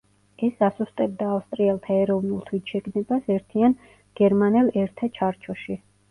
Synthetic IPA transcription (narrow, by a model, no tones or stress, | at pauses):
ɛsasust̪ʼɛb̚d̪aːfst̪ʼɾiɛlˠt̪ʰaɛɾɔvnulˠt̪ʰwisʰʃɛɡnɛbasɛɾt̪ʰian | ɡ̥ɛɾmanɛlˠɛɾt̪ʰat͡ʃʰaɾt͡ʃʰɔʃi